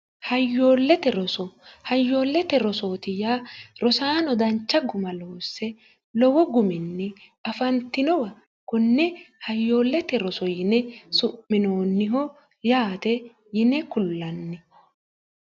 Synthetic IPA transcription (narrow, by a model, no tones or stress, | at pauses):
hɐjːoːlːɛt̪ɛɾɔsɔhɐjːo̞ːlːɛt̪ɛɾɔsoːt̪ɪjaːɾɔsaːnɔd̪ɐnt͡ʃːɐɡʊmɐloːsːɛ | lɔwɔɡʊmɪnːɪ | ɐfɐnt̪ːɪnɔwɐ | kʊnːɛhɐjːoːlːɛt̪ɛɾɔsɔjɪnɛsʊpːɪno̞ːnːɪɦɔ | jaːt̪ɛ | jɪnɛkʊlːɐnːɪ